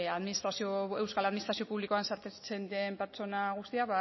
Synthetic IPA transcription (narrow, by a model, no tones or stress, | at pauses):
aðminist̪ɾasioewskalaðminist̪ɾasio̞puβlikoansaɾt̪et͡se̞nd̪iempeɾt͡so̞naɣ̞ust̪iakβa